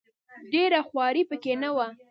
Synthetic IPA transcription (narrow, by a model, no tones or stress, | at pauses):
ɖeɾaxwɑɾipəkenawa